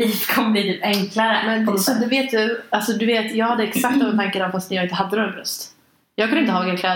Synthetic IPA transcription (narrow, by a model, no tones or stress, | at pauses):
itkʰɔmːəbliːt̪ʰyːpɛŋklaɾəmɛnsɔd̪ɛveːt̪̚d̪ɵalsɔd̪ɵveːt̪jɑːɡhad̪ːəɛksakt̪vɔmɪnt̪ʰaŋkənɔvfast̪ɛjɑːɪnt̪əɦad̪ːəɾɔɾɛnɾɵ̰st̪ | jɑːɡkʰɵnɪnt̪əhɑːɡaɾkʰlɛːd̪